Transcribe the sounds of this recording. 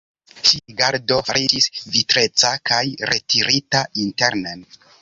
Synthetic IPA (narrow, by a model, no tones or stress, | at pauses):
ʃiɡaɾdo̞faɾid͡ʒisvitɾe̞t͡sakajɾe̞tiɾʔitainte̞ɾnen